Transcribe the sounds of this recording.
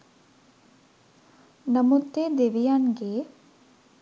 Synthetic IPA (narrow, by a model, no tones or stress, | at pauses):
nɐmut̪ːeːd̪eːʋijaːnɡeː